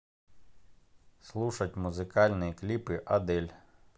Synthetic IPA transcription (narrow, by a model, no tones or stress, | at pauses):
slˠuʃɐtʲmʊzɪkɑlʲnɪjiklʲipɪʔɐd̪ɛlʲ